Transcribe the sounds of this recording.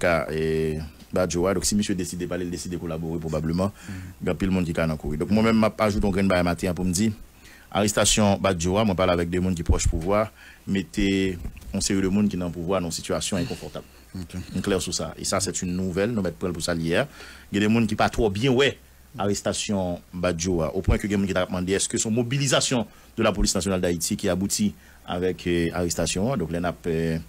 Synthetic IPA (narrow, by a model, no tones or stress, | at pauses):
kaɛ | bad͡ʒoad̪ɔ̃ksiməsjød̪esid̪epaleld̪esid̪ekolaboʁep̬ʁobabləmɑ̃ɡãpilmũnk̬ikanãkuʁid̪ɔ̃k̚mwɛ̃mɛ̃mːapaʒut̪ɔ̃ɡʁɛ̃nbaɡajmat̪ɛ̃ãp̬umd͡zi | a̰ʁɛst̪asjɔ̃bad͡ʒoamw̃ɛ̃paʁlavɛk̚dɛmũnk̬ipʁɔʃpuvwaʁ | met̪ʰeɔ̃seʁidəmũnkinãpuvwañsityasjɔ̃ɛ̃kɔ̃fɔʁt̪abl | klɛʁsusa̰ḛsasɛt̪ynːuvɛlnũmɛt̪̚pʁɛ̃lpusaljeaɡɛ̃dɛmũnkipat̪ʁɔbjɛ̃wɛ | aʁest̪asjɔ̃bad͡ʒoa̰ʔopwɛ̃køɡɛ̃mũnkit̪akap̚mɑ̃d̪eɛskøsɔ̃mobilizasjɔ̃ | d̪ølapolisnasjonald̪ait̪ʰikiabut̪i | a̰vɛkʰa̰ʁest̪asjɔ̃ad̪ɔ̃klɛnap